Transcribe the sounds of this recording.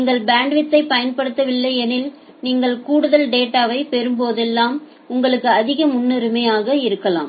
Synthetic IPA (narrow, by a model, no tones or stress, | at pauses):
niːŋɡɐɭbaːɳɖʋɪt̪ːɐɪpɐjɐnpɐɽɯt̪ːɐʋɪlːɐɪɛnɪl | niːŋɡɐɭkuːɽɯðɐlɖeːʈːaːʋɐɪpɛɾɯmpoːðɛlːaːm | ʊŋɡɐɭɯkːɯɐðɪɣɐmʊnːɯɾɯmɐjaːɣɐɪɾɯkːɐla̰ːm